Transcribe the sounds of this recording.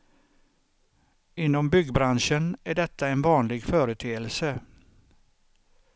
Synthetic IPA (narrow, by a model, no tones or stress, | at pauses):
ɪnːɔmbʏɡbɾanʂənæɖɛt̪ːaɛnvɑːnlɪɡfœːɾət̪ʰeːəlsə